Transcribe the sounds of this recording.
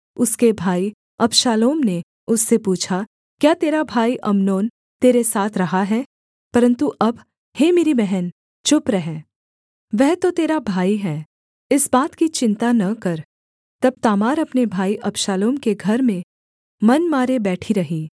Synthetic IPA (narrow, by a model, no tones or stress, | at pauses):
ʊskebʱaːi | ɐpʃaːloːmne | ʊsːepuːt͡ʃʰa | kjaːt̪eːɾabʱaːiʔɐmnoːn | t̪eːɾesaːt̪ʰɾɐɦaɦɛː | pɐɾə̃nt̪uʔɐb | heːmeːɾibɛɦɛn | t͡ʃʊpɾɛɦɛ̃ː | ʋɛɦt̪ot̪eːɾabʱaːiɦɛː | ɪsbaːt̪kit͡ʃɪ̃nt̪anɐkɐɾ | t̪ɐb̚t̪aːmaːɾɐpnebʱaːiʔɐpʃaːloːmkeɡʱɐɾmẽ | mɐnmaːɾebɛːʈʰiɾɐɦiː